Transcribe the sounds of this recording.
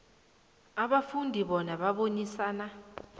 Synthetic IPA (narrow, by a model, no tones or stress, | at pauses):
aɓafundʱiɓɔnaɓaɓoɲisaːna